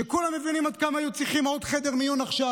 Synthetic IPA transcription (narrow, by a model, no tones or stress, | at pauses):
ekulame̞vinimad̪̚kamaːjut͡siχimod̪χe̞d̪eʁmijunaχʃa